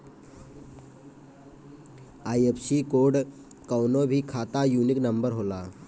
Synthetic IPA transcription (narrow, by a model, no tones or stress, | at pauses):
ajepsikoɽ | kəwnobʱiːkʰat̪ajuniknəmbəɾɦola